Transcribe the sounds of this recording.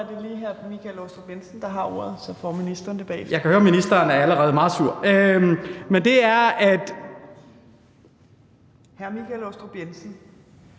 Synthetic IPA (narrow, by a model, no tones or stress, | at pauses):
æɐd̥e̝liːɦæɐmikʰælɔsd̥ʁob̥jensn̩d̥ɑ̈ɦɑ̈o̝̰ɐ̰ð̩ˠsɒ̽fɒminisd̥ʁɐnd̥ʰeb̥ɛ̰jɑ̈kʰæhøːɐminisd̥ɐːnæɐæləʁɛːð̞̩ˠmɑ̈ːð̩ˠsuɐ̰̥ømmend̥e̝æɐæd̥ | hæɐmikʰælosd̥ʁob̥jensn̩